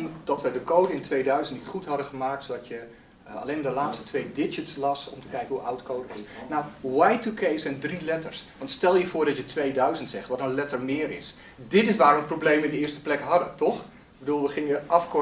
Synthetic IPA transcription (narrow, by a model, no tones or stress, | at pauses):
md̥ɑtʋədəkowdəɪntʋejdœɥzəntnitχutɦɑdəχəmaːk̚tsodɑtjə | ɑ̰lejnmdəlaːtstətʋejdɪd͡ʒətslɑsɔ̰mtə̥kɛjkənɦuʔa̰wtkowdəɪsnawʋajtukejsɛndrilɛtəɹsʋɑ̃ntstɛlˠjəvʊːɹdɑtjətʋejdœɥzəntsɛχtʋɔtənlɛtəɹmɪːəɾɪ̰s | dɪtɪsʋaːɾɔməprowblejmɪndəɪːstə̥plɛkɦɑdətɔχ | bədulˠʋəχɪŋəʔɑfkɔ